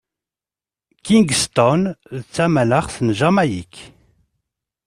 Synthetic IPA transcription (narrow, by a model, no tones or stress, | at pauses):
kiŋɡst̪ɔnðət͡sːæmæləχsənʒamæjik